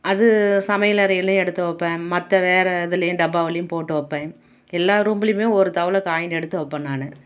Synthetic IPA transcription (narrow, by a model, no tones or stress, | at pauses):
ɐðɯsɐmɐjɐlɐɾɐjɪlːɐ̃ɛɽɯt̪ːɐʋɐpːẽmɐt̪ːɐʋeːɾɐɪðɯlɐjʊ̃ɖɐbaːʋɐlɐjɯ̃mpoːʈːɯʋɐpːɛ̃ː | ɛlːaːɾumbɪlɪjɯmeːɔɾɯt̪ɐʋɐlɐkaːjɪnɛɽɯt̪ːɯʋɔpːɐnːaːnɐ